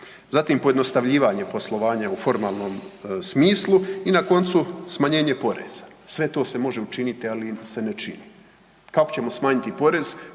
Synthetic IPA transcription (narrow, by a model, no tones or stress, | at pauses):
zat̪iːmpo̞jed̪no̞st̪aʋʎiːʋaɲe̞po̞slˠo̞ʋaːɲaufo̞ɾmaːlˠno̞ːmsmiːslˠuinako̞nt̪susmaɲe̞ːɲe̞po̞ɾḛːz̥ḁsʋe̞t̪o̞ːse̞mo̞ʒe̞ut͡ʃinit̪ialise̞ne̞t͡ʃḭni | kako̥t͡ɕe̞mo̞smaːɲit̪ipo̞ɾe̞z̥